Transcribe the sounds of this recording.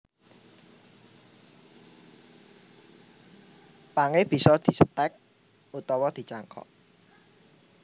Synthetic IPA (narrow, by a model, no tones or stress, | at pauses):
paŋeb̥i̤sɔd̪̥i̤sət̪ɛk̚ | ut̪ɔwɔd̪̥i̤t͡ʃaŋkʰɔ̰ʔ